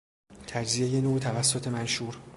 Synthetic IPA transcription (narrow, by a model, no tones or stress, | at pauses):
t̪ʰæd͡ʒzije̞je̞noːt̪ʰævæsːot̪ʰe̞mænʃuːɾ